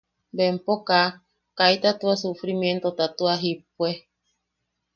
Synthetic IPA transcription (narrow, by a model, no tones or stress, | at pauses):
bempoka | kajt̪at̪uasufɾimjent̪ot̪at̪uaɦip̚we